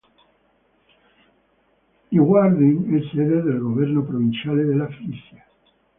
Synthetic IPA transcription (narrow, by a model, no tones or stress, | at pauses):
iɣwaɾðiŋesseðeðelɣoβjeɾnopɾoβ̞inθjaleðelafɾiθja